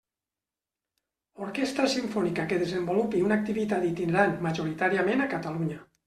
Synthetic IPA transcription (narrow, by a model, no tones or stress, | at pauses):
oɾkest̪ɾasiɱfɔnikakeðezembolupiunak̚t̪iβit̪at̪it̪ineɾanmaʒoɾit̪aɾiamenakat̪aluɲa